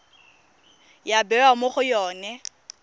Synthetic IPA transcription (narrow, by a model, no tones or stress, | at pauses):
jabɛwamʊχʊjɔːnɛ